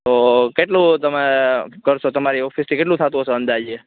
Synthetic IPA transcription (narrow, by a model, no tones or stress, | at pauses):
t̪okeʈlũt̪əmekəɾʃʰot̪əmaɾiɔfʰist̪ʰikeʈ̬lũt̪ʰat̪ũɦəsoə̃nd̪ad͡ʒie